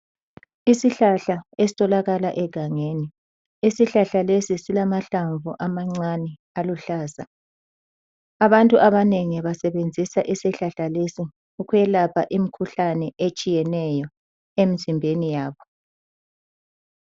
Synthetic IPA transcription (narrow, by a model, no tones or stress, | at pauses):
isiɬaɬaesi̥tʼɔlaɣalaʔɛɡ̥ʱaŋeːni | isiɬaɬalesisilamaɬaɱvuʔamaŋ͡ǀanɛ | aluɬaːza̰ | aβantʼuʔaβaneŋiβasɛβend͡zʱisaʔisiɬaɬalesi | uɣujɛlapʰaʔimikʰuɬanɛʔet͡ʃʼijɛnɛjɔ | em̩zimbʱenijaːβɔ